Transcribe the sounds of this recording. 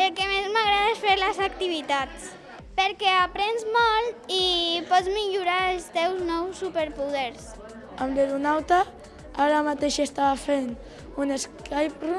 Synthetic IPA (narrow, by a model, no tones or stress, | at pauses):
elˠkemezmaɣɾaðaesfeɾlezak̚t̪iβ̞it̪at͡s | peɾkɛapɾenzmɔlt̪ipɔt͡smiʎuɾaelst̪ɛwznɔwsːupeɾpuðɛɾs | amleɾunawt̪a | aɾamat̪eʃest̪aβafen | uneskajpɾu